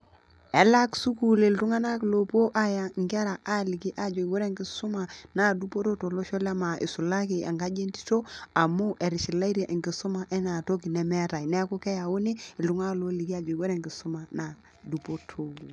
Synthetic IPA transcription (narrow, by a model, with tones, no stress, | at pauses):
ɛ˨˦la˦ksu˦ku˨le˨ltu˦ŋa˦na˦klo˨po˦ʔa˦ja˨ŋɡɪ˦a˦ɾa˨ʔa˦li˨ki˦ʔa˨d͡ʒo˨i˨ɡo˦ɾe˦ŋɡi˦su˦ma˨na˦du˦po˦to˦to˨lo˦ʃo˦la˦ma˨ʔḭ˨su˨la˦ki˨a̰˨ŋɡa˦d͡ʒe˦nti̥˦to˦a˨mu˦ʔɛ˨ɾi˨ʃi˨la˦i˦ɾe˨ʔi˨ŋɡi˨su˦ma˨ʔɛ˦na˨to˦ki˨nɛ˨mɛ˦ta˨jnɛ˦ku˦kɛ˦ja˨wo˦ne˦ɪ˨ltu˦ŋa˦klo˦li˨ki˦a˨d͡ʒo˨i˨ɡo˦ɾe˦˨ŋɡɪ˨su˦ma˨na˨ | du˨po˦tʰo˨